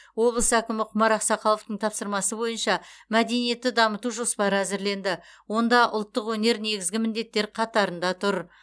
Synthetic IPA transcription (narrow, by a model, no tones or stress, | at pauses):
wo̞blˠəsəækʲɪmɪqʰʊmɑɾɑqsɑqʰɑlˠəft̪əɴt̪ʰɑpsəɾmɑsəbo̞jənʃɑmæd̪e̞nije̞t̪ːɪd̪ɑmət̪uʒospɑɾæzɪɾle̞nd̪ɪwo̞nd̪ɑʔʊ̰lˠt̪ːəqwɵne̞ɾne̞ɡʲɪzɡʲɪmɪnd̪e̞t̪ːe̞ɾqʰɑt̪ɑɾənd̪ɑt̪ʰʊɾ